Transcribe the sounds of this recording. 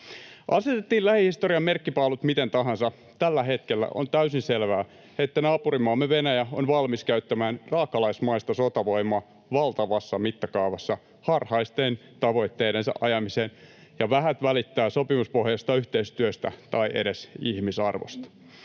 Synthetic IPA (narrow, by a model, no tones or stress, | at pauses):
ʔɑset̪et̪ːiːllæhihist̪oriɑmmerkːipɑulut̪mit̪ent̪ɑɦɑnsɑ | t̪ælːæɦet̪kelːæ̰ʔo̰nt̪æysinselʋæː | et̪ːænɑːpurimoɑːmːeʋenæjæonʋɑlmiskæyt̪ːæmæːnrɑːkːɑlɑismɑist̪ɑsot̪ɑʋo̞imoɑ | ʋɑlt̪ɑʋɑsːɑmit̪ːɑkɑuʋɑsːɑ | hɑrhɑist̪ent̪ɑʋo̞it̪ːeːɾensɑ̰ʔɑjɑmiseːn | jɑʋæɦæt̪ʋælit̪ːæːsopimuspohjɑst̪ɑyht̪eist̪yøst̪æ̰t̪ɑiʔeɾesihmisɑ̰rʋo̰st̪ɑ̥